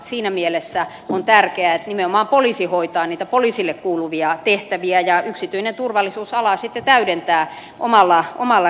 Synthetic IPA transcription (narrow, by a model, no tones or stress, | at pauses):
siːnæmielesːæ | ont̪ærkeæet̪nimeomɑːmpolisihoit̪ɑːniːt̪æpoliˑsilːekkuːluʋiɑt̪eht̪æʋiæjɑyksit̪yinent̪urʋɑlːisuːsɑlɑsit̪ːet̪æydent̪æː | ʔomɑlːɑo̰mɑlːɑ